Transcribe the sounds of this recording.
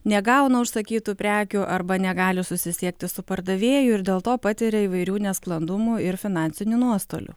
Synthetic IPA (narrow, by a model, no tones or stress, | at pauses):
nʲɛɡɐˑʊnɐʊʃsɐkʲiːt̪uːpʲɾʲæːkʲʊʔɐɾbɐnʲɛɡɑːlʲɪsʊsʲɪsʲiɛk̚t̪ʲɪsʊpɐɾd̪ɐʋʲeːjʊɪɾd̪ʲeːlˠt̪oːpɑːt̪ʲɪɾʲɛiːʋɐɪɾʲuːnʲɛsklˠɐnd̪ʊmuɪɾfʲɪnɑːnʲsʲɪnʲuːnuɔst̪o̰ːlʲʊ̰